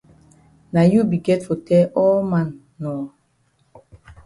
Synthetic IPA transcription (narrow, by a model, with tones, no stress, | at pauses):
na˨ju˦bi˨ɡɛ˦tfo˨tɛ˦ʔɔ˦mã˨nː | ɔ˨